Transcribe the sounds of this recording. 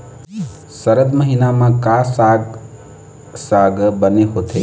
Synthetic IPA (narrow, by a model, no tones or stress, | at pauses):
səɾəd̪məɦinamãkasaɡ | saɡbəneɦot̪ʰe